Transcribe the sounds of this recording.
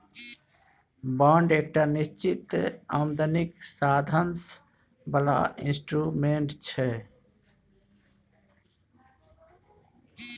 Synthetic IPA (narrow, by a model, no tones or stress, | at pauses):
baːɳɖeːk̚ʈanist͡ʃit̪a̰md̪əniksad̪ʱəns | bəla̰ḭnsʈɾumeɳʈt͡ʃʰɛ